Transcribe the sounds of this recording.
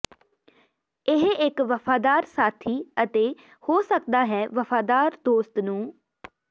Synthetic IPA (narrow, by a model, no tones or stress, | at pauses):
ɪɦɪkʋəfʰaːd̪aːɾsaːt̪ʰiːət̪eː | hoːsək̚d̪aːɦɛːʋəfʰaːd̪aːɾd̪oːst̪nũː